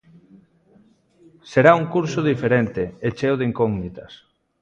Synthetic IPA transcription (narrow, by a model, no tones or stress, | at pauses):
seɾauŋkuɾsoð̞ifeɾent̪eet͡ʃewðeiŋkoɣnit̪ɐs